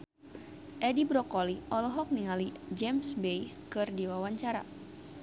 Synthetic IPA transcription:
ʔɛdibɾɔkɔliʔɔlɔɦɔk̚niŋalid͡ʒɛmsbejkɨrdiwawaɲt͡ʃaɾa̰

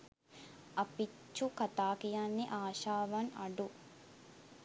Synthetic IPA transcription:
ʔɐpit͡ʃːukɐt̪aːkijanːeʔaːʃaːʋɐŋɐɖu

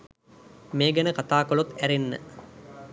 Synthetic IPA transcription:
meːɡænəkat̪aːkolot̪æɾenːə̰

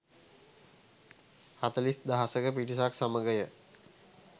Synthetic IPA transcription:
hat̪əlisd̪aɦasəkəpiʈisaksaməɡəjə

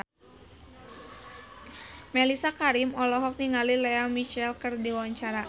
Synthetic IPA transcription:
mɛlisakaɾimɔlɔɦɔk̚niŋalileamit͡ʃɛlkɨrdiwaɲt͡ʃaɾa

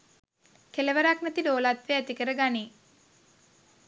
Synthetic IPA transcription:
keləʋəɾaknɛt̪iloːlat̪ʋeæt̪ikəɾəɡani

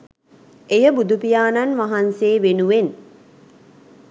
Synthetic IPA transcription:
ejəbud̪upijaːnanʋaɦanseːʋenuʋen

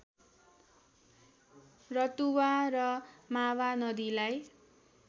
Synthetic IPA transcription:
rʌt̪uwarʌmawanʌd̪ilaj

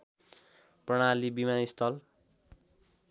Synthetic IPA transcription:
prʌɽ̃alibimanist̪ʰʌl

